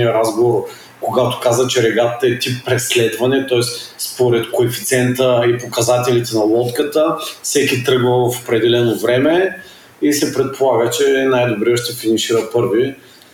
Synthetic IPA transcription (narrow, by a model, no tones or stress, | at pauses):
iəɾazɡovoɾ | koɡat̪o̥kazət͡ʃɛɾɛɡat̪t̪əɛt̪ipːɾɛslɛd̪vɐnɛt̪ɔɛsspoɾɛt̪koɛfit̪sʲɛnt̪əipokɐzat̪ɛlit̪ɛnɐlˠɔt̪kət̪əfsɛkit̪ɾɤɡvəfopɾɛd̪ɛlɛnovɾɛmɛ | isɛpɾɛt̪̚polˠaɡət͡ʃɛnajd̪obɾiəʃt̪ɛfinɛʃiɾəpɤɾvi